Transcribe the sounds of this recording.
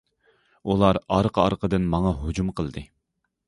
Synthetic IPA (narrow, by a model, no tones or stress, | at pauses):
ulˠɑɾɑɾqʰəɑɾqʰəd̪ɨnmɑŋɑɦod͡ʒumqʰəlˠd̪ɨ